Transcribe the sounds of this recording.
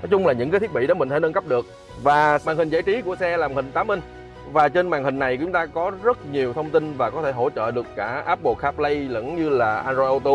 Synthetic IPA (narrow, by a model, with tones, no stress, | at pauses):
nɔ˨˦jt͡ɕʊ˧ŋ͡mlaː˨˩ɲɨ̰˧˥kaː˨˦t̪ʰt̚ɓi˧˨ɗɔ˨˦mï˨˩ŋ̟fa˧˩˦nə˧nkp̚ɗɨ˨˩ək̚ | vaː˨˩maː˨˩ŋhï˨˩ŋ̟zaː˧˩jt͡ɕi˨˦ku˧˩əsɛ˧la˨˩m̚˨˩hï˨˩ŋ̟t̪aː˨˦mi˧ŋ | vaː˨˩t͡ɕe˧nmaː˨˩ŋhï˨˩ŋ̟na˨˩jkːt͡ɕʊ˨˦ŋ͡mt̪aː˧kɔ˨˦zə˦˥t̚ɲi˨˩əwt̪ʰə˧wŋ͡mt̪i˧nvaː˨˩kɔ˨˦t̪ʰe˧˩ɦo̰˧˩t͡ɕə̰ː˧˨ɗɨ˨˩əkːaː˧˩ʔaː˦˥p̚ɓo˨˩k̚xaː˦˥p̚lə˧jlə̰˧˥nɲɨ˧laː˨˩ʔaː˧nzo˧ʔə˧t̪u˧